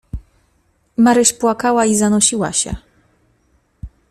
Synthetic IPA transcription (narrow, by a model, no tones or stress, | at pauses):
maɾɘʂpwakawaizanɔɕiwa̰ɕɛ̰